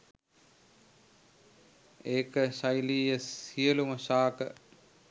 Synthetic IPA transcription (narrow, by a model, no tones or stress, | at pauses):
eːkəʃajliːjəsijəluməʃaːkə